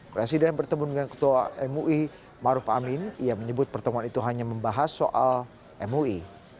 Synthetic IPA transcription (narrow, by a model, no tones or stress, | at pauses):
pɾesidɛnbərt̪əmundəŋankə̥t̪uaʔɛmuʔi | maɾʊfa̰mɪnijaməɲəbʊt̪̚pərt̪əmuanit̪uɦaɲaməmbaɦasːo̰ʔal | ɛmui